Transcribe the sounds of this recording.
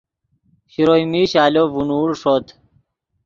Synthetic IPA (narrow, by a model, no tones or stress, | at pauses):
ɕiɾojmiːɕaːloːvunuːɽʂoːt̪